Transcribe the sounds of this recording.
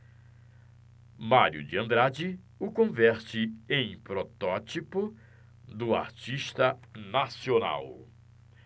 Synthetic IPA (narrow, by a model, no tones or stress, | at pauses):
maɾjʊ̰d͡ʒɪɐ̃nd̪ɾad͡ʒɪ | ʊkõvɛɾt͡ʃɪẽj̃pɾot̪ɔt͡ʃipʊ | d̪ʊa̰ɾt͡ʃiʃt̪ɐnasiona̰w